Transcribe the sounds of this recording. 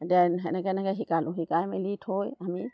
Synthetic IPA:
dɛnɦɛnɛkɛnɛkɛɦikaluɦikajmilitʰojhami

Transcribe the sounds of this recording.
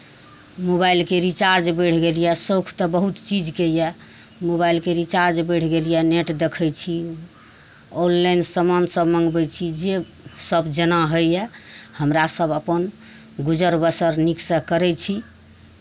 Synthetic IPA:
mobailkeɾit͡ʃaɾd͡ʒbeɽ̤ɡelijɛsokʰt̪ɔbəɦut̪t͡ʃid͡ʒkejɛ | mobailkeɾit͡ʃaɾd͡ʒbeɽ̤ɡelijɛneʈd̪ekʰɛjt͡ʃʰi | olːainsəmansəbmə̃ŋɡbɛt͡ʃʰid͡ʒe | səbd͡ʒənaɦəjjɛhəmɾasəbəpən | ɡud͡ʒəɾbəsəɾniksəkəɾɛt͡ʃʰi

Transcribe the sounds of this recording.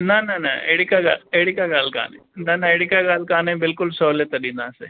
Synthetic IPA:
nananaeɽikʲːakaːeɽikʲːakaːlka̰ːnḛnɐnɐɽikʲːakaːlkaːnebɪlkʊlsoːlet̪ːɐɽinaːsḛ

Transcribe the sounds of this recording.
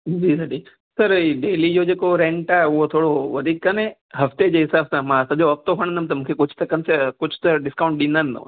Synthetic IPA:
d͡ʑiːsəʈiː | səɾiɖeːlid͡ʑod͡ʒeːkoɾẽɳʈaeʊɦot̪ʰoːɽoʋɐd̪ʱiːkːaneɦɐft̪ed͡ʑeɦɪsaːbsãmãsɐd͡ʒoʋɐk̚t̪oɦɐɽ̃nmt̪ɐmũːkʰekʊt͡ʃʰt̪ɐkɐnsekʊt͡ʃʰt̪əɖɪskãʊ̃ɳʈ̚ɗĩːnd̪annd̪õ̰

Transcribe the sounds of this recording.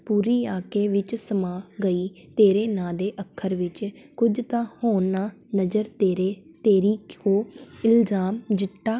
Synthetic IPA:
puːɾiːaːkeːʋɪt͡ʃsəmaːɡəiː | t̪eːɾeːnãːd̪eːʔəkʰːəɾʋɪt͡ʃkʊd͡ʒt̪ãːhoːnaː | nəd͡ʒəɾt̪eːɾeː | t̪eːɾiːkoːɪlzaːmd͡ʒɪʈːaː

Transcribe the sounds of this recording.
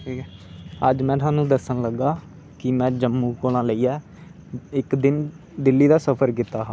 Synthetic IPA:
iəd͡ʒmɛ̃ːt̪ʰwaːnũːd̪əsənləɡːaː | kɪmɛ̃ːd͡ʒəmːũːkoːlãːləiːɛː | ɪkd̪ɪn | d̪ɪlːiːd̪aːsəpʰəɾkɪt̪aːɦãː

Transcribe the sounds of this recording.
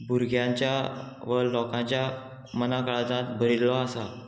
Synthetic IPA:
bʱuɾɡʱjãɲt͡ɕjaʋəlɔkãɲt͡ɕja | mənakɭad͡zãt̪bʱəɾilːɔasa

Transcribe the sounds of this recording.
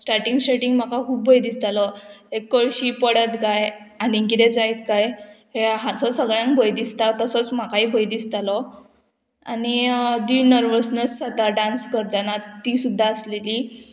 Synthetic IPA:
sʈaɾʈiŋɡɕeʈĩŋɡm̤akakuːbbʱojd̪ist̪alɔɦekəɭɕipəɽət̪ɡajaniŋkid̪ɛ̃d͡zait̪kajɦeɦãt͡sɔsəɡɭjãŋkbʱəjd̪ist̪at̪əsət͡sm̤akaiːbʱəjd̪ist̪alɔ | a̰nid̪iʋnəɾʋəɾsnəsːət̪aɖãnskəɾt̪anat̪isud̪ʱːaːsleli

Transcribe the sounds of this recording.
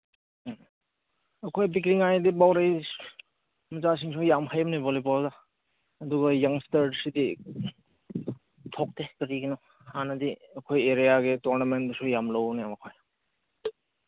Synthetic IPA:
ɐkʰojbik̬ɾiŋajdibawɾej | mɐzas̬iŋsujamhajmnibolipawdaː | duɡɐjɐŋstɐɾsidi | tʰok̚tekɐɾiɡinɔ | hanɐdiɐkʰojeɾijaɡitɔɾnamenbɐsujamlɐwnimɐkʰoj

